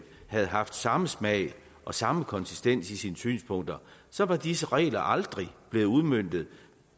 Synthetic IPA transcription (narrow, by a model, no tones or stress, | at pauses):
hæð̞ˠɦɑ̈fd̥sɑ̈məsmɛɪ | ʔɒ̽sɑ̈məkʰɒ̽nsisd̥en̰sisiːnəsy̰ːnspʰɔ̽ŋ̰d̥ɐsɒ̽ʋɑ̈d̥is̬əʁɛ̰ːɪlɐʔɑ̈ld̥ʁib̥le̝ːð̩ˠuð̞ˠmøn̰d̥ð̩ˠ